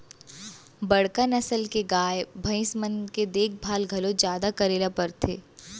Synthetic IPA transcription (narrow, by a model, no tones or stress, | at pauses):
bɐɽkənɐsəlkeɡaːjbʱɐ̃ɪ̃smənked̪eːk̚ʰbʱaːlɡʱɐlõd͡ʒjaːd̪akɐɾeːlapɐɾt̪ʰeː